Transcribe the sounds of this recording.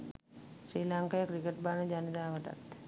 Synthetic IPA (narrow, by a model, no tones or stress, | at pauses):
ʃɾiːlaŋkajəkɾikeʈ̚baːnəd͡ʒanid̪aːʋəʈa̰t̪